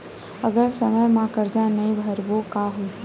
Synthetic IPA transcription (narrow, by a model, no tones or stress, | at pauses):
ɐɡəɾsəməjmãkəɾd͡ʒãːẽnɐĩbʱəɾbokaːɦo